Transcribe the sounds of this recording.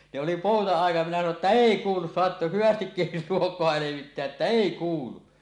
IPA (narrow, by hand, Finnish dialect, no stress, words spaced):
ne oli poˑutɑɑˑijˑɑt minæ sɑno etːæ eˑi kuːlus soɑt hyʋæstikːil luokˑoɑ leʋitːeæʔ ʔetːæ eˑi kuːlu